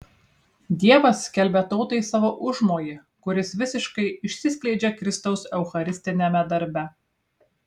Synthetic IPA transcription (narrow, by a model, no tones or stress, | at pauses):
d̪ʲiɛʋɐsʲːkʲɛlʲbʲɛt̪ɔʊt̪ɐɪsɑːʋoːʔʊʒmoːjɪ | kʊɾʲɪsʋʲɪsʲɪʃkɐɪɪʃʲsʲɪsʲkʲlʲɛɪd͡ʒʲɛkɾʲɪst̪ɒʊsɛʊxɐɾʲɪsʲt̪ʲɪnʲɛmʲɛd̪ɐɾʲbʲɛ